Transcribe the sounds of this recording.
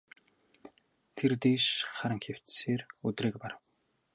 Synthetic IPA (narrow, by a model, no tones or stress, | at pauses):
t̪ʰert̪eːʃχaɾə̆ŋxew̥t͡sseːrɵt̪reːk̚parw